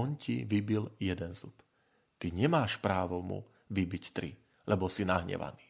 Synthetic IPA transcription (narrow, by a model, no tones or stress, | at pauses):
ɔnciʋibiljɛd̪ɛnzup | t̪iɲɛmaːʃpɾaːʋɔmṵ | ʋibict̪ɾḭ | lɛbɔsinaɦɲɛ̰ʋa̰niː